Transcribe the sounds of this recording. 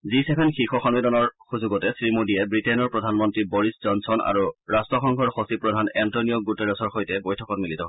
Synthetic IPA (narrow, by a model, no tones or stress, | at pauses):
zisɛpʰɛnxikɔxɔnmidɔnɔɹxuzuɡɔtɛsɹimodiɛbɹitɛnɔɹpɹɔdʱanmɔntɹiboɹiszɔnsɔna̰ɹuɹastɹɔxɔŋkʰɔɹxosipɹɔdʱanɛntonioɡuteɹɔsɔɹxojtɛbojtʰɔkɔtmilitɔɦ